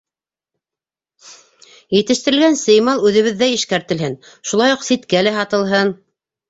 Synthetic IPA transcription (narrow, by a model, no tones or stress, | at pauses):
jɘ̆t̪ɘ̆ʃt̪ɘ̆ɾɘ̆lɡænsɤ̆jmɑlˠʉðɘ̆βɘ̆ðːæiʃkæɾt̪ɘ̆lhɘn | ʃulˠɑjuqsit̪kælæɦɑt̪ɤ̆lˠɦɤn